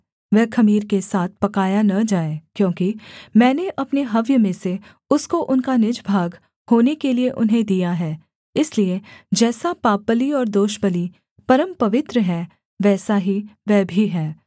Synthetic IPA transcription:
ʋɛːkɐmiːɾkesaːt̪̚ʰpɐkaːjanɐd͡ʒaːekjõːkimɛ̃ːneʔɐpneɦɐʋjəmẽse | ʊskoʔʊnkanɪd͡ʒbʱaːɡ | hoːnekelieʔʊnɦẽd̪ijaɦɛː | ɪslied͡ʒɛːsapaːpːəliɔːɾd̪oːʃpəli | pɐɾəmpɐʋɪt̪ɾəɦɛː | ʋɛːsaɦiʋɛːbʱiɦɛː

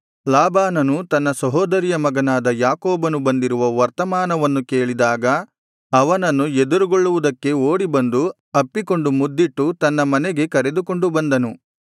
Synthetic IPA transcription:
laːbaːnɐnut̪ɐnːɐsɐɦɔːd̪ɐɾijɐmɐɡɐnaːd̪ɐjaːkoːbɐnubɐnd̪iɾuʋɐʋɐɾt̪ɐmaːnɐʋɐnːuke̞ːɭid̪aːɡɐ | ɐʋɐnɐnːued̪uɾuɡoɭːuʋud̪ɐkːe̞oːɽibɐnd̪u | ɐpːiko̞ɳɖumud̪ːiʈːut̪ɐnːɐmɐnɛɡe̞kɐɾe̞d̪uko̞ɳɖubɐnd̪ɐnu

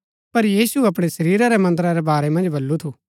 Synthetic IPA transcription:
pɐɾjiːsuɐp̬ɽ̃esɐɾiːɾaɾɛmɐ̃nd̪̬ɾaɾɛbaːɾɛmɐ̃nd͡ʒbʱɐlːut̪ʰuː

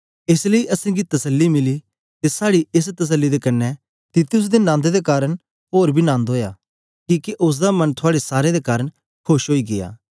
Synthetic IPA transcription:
ɪsləiʔɐsẽːɡit̪ɐsəlːimɪli | t̪esaːɽiɪst̪ɐs̬əlːid̪ekɐnːɛ | t̪ɪt̪ʊs̬d̪enãːnd̪ed̪ekaːɾəɽ | ɦoːɾbʱinãːnd̪ɦoːja̰ | kiːkeʔʊs̬d̪amɐnt̪ʰʊaːɽesaːɾed̪ekaːɾəɳ | kʰʊʃɦoːiɡɪja̰ː

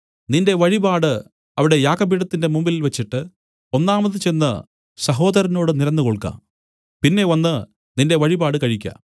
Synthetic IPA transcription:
ninde̞ʋɐɻibaːɽɨ | ɐʋiɽe̞jaːkɐbiːɽɐt̪ːinde̞mumbililʋɐt͡ɕːiʈːɨ | o̞nːaːmɐðɨt͡ɕe̞nːɐ | sɐɦo̞ːd̪ɐɾɐno̞ːɽɨniɾɐnːɨko̞ɭkːa̰ːm | pinːe̞ʋɐnːɨ | ninde̞ʋɐɻibaːɽɨkɐɻikʲːɐ̰

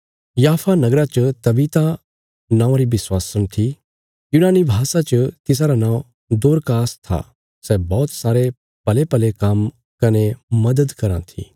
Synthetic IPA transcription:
jaːpʰanɐɡɾat͡ʃət̪ɐbiːt̪a | nãːʊ̃ɾibɪswaːsəñt̪ʰi | junaːnibʱaːsat͡ʃət̪ɪs̬aɾanãːõ | d̪oːɾkaːst̪ʰa̰ | sɛbɔːt̪saːɾe | pɐlepɐlekɐm | kɐnemɐd̪əd̪kɐɾã̰t̪ʰḭ

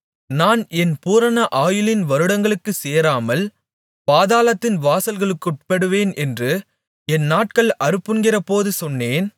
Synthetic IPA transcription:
naːnɛnpuːɾɐnɐʔaːjɯlɪnʋɐɾɯɽɐŋɡɐɭɯkːɯseːɾaːmɐl | paːðaːlɐt̪ːɪnʋaːsɐlɣɐɭɯkːɯʈpɐɽɯʋeːnʔɛndrɯ | ɛnːaːʈ̚kɐɭʔɐɾɯpːɯnɡɪrɐpoːðɯsɔnːeːn

